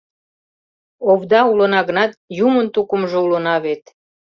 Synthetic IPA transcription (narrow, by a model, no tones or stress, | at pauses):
oβd̪ɑulə̆nɑɣənɑt̪̚jumənt̪ukəmʒoulənɑβet̪